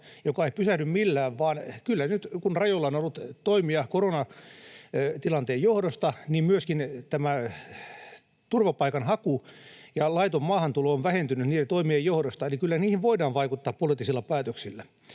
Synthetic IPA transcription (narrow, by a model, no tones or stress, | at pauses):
jokɑeipysæhnymmilːæːʋʋɑːnkylːænyt̪kunrɑjolːɑonolːut̪t̪oimiɑkoronɑ | t̪ilɑnt̪eːjjohdost̪ɑniːmmyøskint̪æmæ | t̪urʋɑpɑikɑnhɑkujɑlɑit̪omːɑːhɑnt̪ulooʋʋæhent̪ynyt̪niːt̪æt̪oimiejjohdost̪ɑelikylːæniːhiʋʋoidɑːʋʋɑikut̪ːɑːppolit̪ːisilːɑpæːt̪øksilːæ